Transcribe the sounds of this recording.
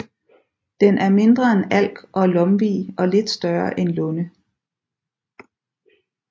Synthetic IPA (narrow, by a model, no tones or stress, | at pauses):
d̥enʔæɐme̝nd̥ʁɐenæl̰ɡ̥ʔɒ̽lɒ̽mʋiːɒ̽le̝d̥sd̥ɶɐʔenlɔ̽nə